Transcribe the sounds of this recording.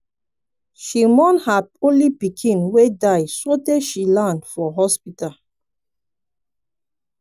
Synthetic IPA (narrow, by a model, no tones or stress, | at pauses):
ʃimɔ̃nhadõnlibikʰĩnwedajsɔtɛʃilãndfɔɦɔspital